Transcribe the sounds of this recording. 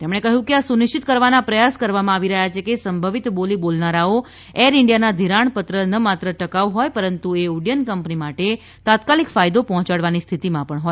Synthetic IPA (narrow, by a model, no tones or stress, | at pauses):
t̪emɳekəɦjũkeasunɪʃt͡ʃit̪kəɾʋanapɾəjaskəɾʋamãaʋiɾəɦjat͡ʃʰekesəmbʱəʋit̪bolibolnaɾao | eɾɪɳɖijanad̪ʱiɾaɳpət̪ɾənəmat̪ɾəʈəkaʋɦɔjpəɾənt̪ueuɽijənkəmpnimaʈe | t̪at̪kalikfajd̪opɔɦɔ̃t͡ʃaɽʋanist̪ʰit̪imãpəɳɦoj